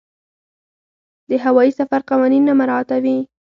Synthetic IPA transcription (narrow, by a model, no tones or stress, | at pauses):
d̪əɦawɑjisafaɾqawɑninːamaɾɑt̪awi